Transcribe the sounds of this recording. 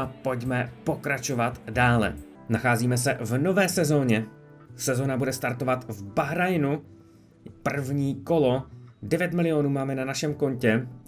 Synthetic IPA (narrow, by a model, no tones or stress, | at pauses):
po̞cmɛpo̞kɾat͡ʃo̞vat̪daːlɛ̰ | naxaːziːmɛs̬ɛvno̞vɛːsɛzo̞ːɲɛ | sɛzo̞nabudɛst̪aɾt̪o̞vat̪vbaɦɾajnu | pr̩vɲiːko̞lo̞dɛvjɛt̪mɪlɪjo̞nuːmaːmɛnanaʃɛmko̞ɲcɛ